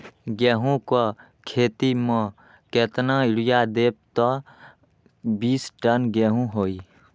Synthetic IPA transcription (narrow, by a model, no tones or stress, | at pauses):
ɡɛːɦũko | kʰeːt̪imə̃ | keːt̪naɪɽɪjad̪eːp̚t̪ɔ | biːsʈənɡɛːɦũɦoːiː